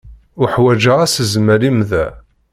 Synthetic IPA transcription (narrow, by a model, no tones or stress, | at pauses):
ʊħwæd͡ʒaʁæsəzməɾimðæ